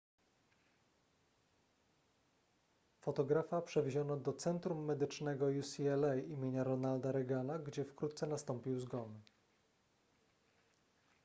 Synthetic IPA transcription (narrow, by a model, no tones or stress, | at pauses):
fɔt̪ɔɡɾafapʂɛvʲeʑɔnɔd̪ɔt̪sɛnt̪ɾumːɛd̪ɘt͡ʂnɛɡɔjusʲiɛlɛjimʲjeɲaɾɔnald̪aɾɛɡanaɡd͡ʑɛfkɾut̪̚t̪sɛnast̪ɔmpʲiwzɡɔnɘ